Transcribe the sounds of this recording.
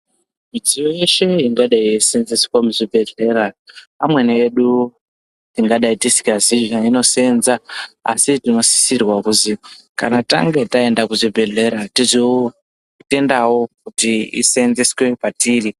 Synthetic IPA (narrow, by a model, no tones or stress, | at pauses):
mid͡zijoje̞ʃe̞iŋɡaɗaisenzeswamuʐibʱe̞ɮe̞ɾapamwe̞neːɗu | tiŋɡaɗaitisi̥kaziʒaino̞senzaa̰sitino̞si̥sirwakuzika̰nata̰ŋɡe̞tae̞ndakuʐibʱe̞ɮe̞ɾatizio | kute̞ndawo̞kutiḭsenzeswe̞patiːri